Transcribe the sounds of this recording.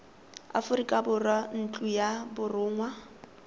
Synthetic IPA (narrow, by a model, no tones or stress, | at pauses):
a̰fʊɾikʼabʊrwan̩t͡ɬʼujabʊrʊːŋwa